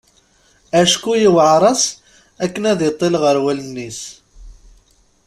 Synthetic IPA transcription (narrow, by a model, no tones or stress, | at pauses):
æʃkujiwʕɾˤɑs | ækːənæðɪt̪ˤːelʁəɾwælənːis